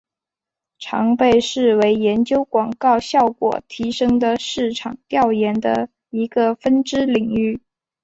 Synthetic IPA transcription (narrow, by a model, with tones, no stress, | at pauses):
ʈ͡ʂʰɑ˧˥ŋpe˥˧ɪʂɻ̩˥˩we˧˥ɪjɛ˧˥nt͡ɕjo˥ʊkwɑ˨˩ŋkɑ˥˧ʊɕjɑ˥˩ʊkwɔ̰˨˩t̪ʰi˧˥ʂɤ˥ŋd̪ə˨ʂɻ̩˥˩ʈ͡ʂʰɑ˨˩ŋt̪jɑ˥˩ʊjɛ˧˥nd̪ə˧ | i˧˥ɡə˧fə˥nʈ͡ʂɻ̩˥li˨˩ŋy˥˩